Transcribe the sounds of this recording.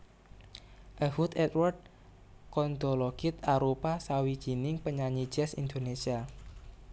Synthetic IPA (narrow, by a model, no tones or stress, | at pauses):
ʔəhut̪ɛt̪wɔrd̚ | kɔnd̪ɔ̤lɔɡ̥ɪt̪̚aɾopasawi̥d͡ʒ̥i̤nɪŋpəɲaɲi̥d͡ʒ̥ɛsḭnd̪onesia